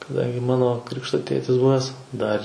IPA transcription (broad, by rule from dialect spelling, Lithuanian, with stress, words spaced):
kɐˈdɐŋʲɡʲɪ ˈmɑːnoː ˈkrʲɪkʃtoː ˈtʲeːtʲɪs ˈbʊʋʲæːs ˈdɐr